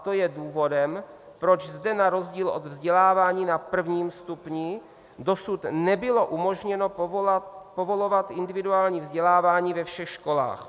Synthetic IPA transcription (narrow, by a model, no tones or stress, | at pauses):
t̪ojɛduːvo̞dɛm | pɾo̞t͡ʃzdɛnaɾo̞zɟiːlʔo̞d̪vzɟɛlaːvaːɲiːnapr̩vɲiːmst̪upɲi | do̞sut̪nɛbɪloʔumo̞ʒɲɛno̞ | po̞vo̞lo̞vat̪ʔɪndɪvɪduaːlɲiːvzɟɛlaːvaːɲiːvɛfʃɛxʃko̞la̰ːx